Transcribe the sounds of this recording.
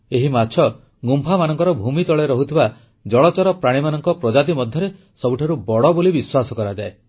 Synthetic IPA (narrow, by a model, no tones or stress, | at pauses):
eɦimat͡ʃʰɔ | ɡumpʰamanɔŋkɔɾɔbʱumit̪ɔɭeɾɔɦut̪ʰiba | d͡ʒɔɭɔt͡ʃɔɾɔpɾaɽ̃imanɔŋkɔpɾɔd͡ʒad̪imɔd̪ʱjɔɾe | sɔbuʈʰaɾubɔɽɔbolibiswasɔkɔɾad͡ʒae